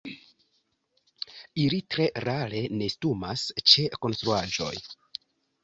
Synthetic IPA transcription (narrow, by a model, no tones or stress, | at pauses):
ilitɾe̞ɾaɾe̞ne̞stuma̰st͡ʃe̞ko̞nstɾuad͡ʒo̞̰j